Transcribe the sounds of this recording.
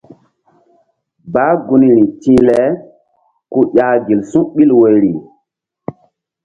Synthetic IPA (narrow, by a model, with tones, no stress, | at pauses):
ba˦ɡu˧ni˨ɾĩ˨tĩ˦lɛ˦ | ku˦jʲa˦ɡi˨lsũ˦ʔɓi˦lwo˨jɾi˨